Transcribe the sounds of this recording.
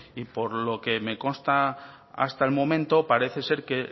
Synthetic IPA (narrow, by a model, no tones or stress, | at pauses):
ipo̞ɾlo̞ke̞me̞ko̞nst̪a | a̰st̪aelmõ̞mẽnt̪o̞paɾe̞θe̞se̞ɾke̞